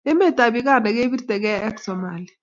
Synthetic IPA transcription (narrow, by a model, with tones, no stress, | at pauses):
ɛ˦mɛ˦tʼa˨ɓi˨k̬a˦˨nɛ˨k̬e˦ɓi˦rtʼɛ˨k̬ɛ˦ɛ˦ksɔma˨li